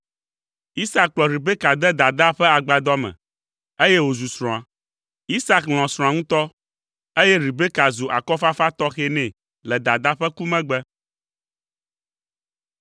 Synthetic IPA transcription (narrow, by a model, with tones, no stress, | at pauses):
i˦sa˦k̚k͡plɔ˨ɾi˨be˦ka˨d̪ɛ˦d̪a˨d̪a˦ɸɛ˦a˨ɡ͡ba˨d̪ɔ˦mɛ̰̃˨ | e˦jɛ˦wo˨zu˨sɾ̃ɔ̃˨a˨ | i˦sa˦kll̃ɔ̃˨sɾɔ̃˨a˨ŋũ˦t̪ɔ˦ | e˦jɛ˦ɾi˨be˦ka˨zo˨ʔa̰˨kɔ˦fa˦fa˦t̪ɔ˦xɛ˦nɛ̃˨ | lɛ˨d̪a˨d̪a˦ɸɛ˦ku˦mɛ̃˦ɡ͡bɛ˦